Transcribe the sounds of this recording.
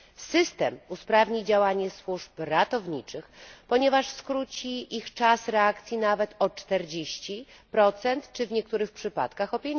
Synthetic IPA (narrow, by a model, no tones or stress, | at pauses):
sɘst̪ɛmuspɾavɲid͡ʑawaɲɛswuʂpɾat̪ɔvɲit͡ʂɘxpɔɲɛvaʂskɾut͡ɕiʔixt͡ʂasɾɛakt̪sʲjinavɛt̪ɔt͡ʂt̪ɛɾd͡ʑeɕt͡ɕipɾɔt̪sɛnt̪t͡ʂɘvɲɛk̚t̪uɾɘxpʂɘpat̪kaxɔpʲjɛɲ